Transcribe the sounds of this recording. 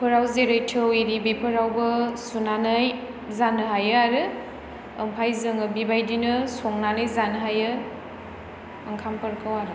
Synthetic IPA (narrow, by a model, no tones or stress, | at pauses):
pʰɯɾawzeɾɯjtʰɯwiɾibipʰɯɾawbɐsunanaj | zanɯɦajɯaɾɯː | mpʰajzɯŋɯbibajdinɯsoŋnanɯjzanɯɦajɯ | ŋkʰampʰəɾkʰɯwaɾɯ